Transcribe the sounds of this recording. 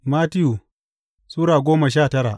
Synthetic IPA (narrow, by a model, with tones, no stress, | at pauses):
maː˦tɪ˦ju˨ | suː˦ɽaː˨ɡʷoː˦ma˨ʃ̬aː˦˨tɐ˦ɽa˨ʔ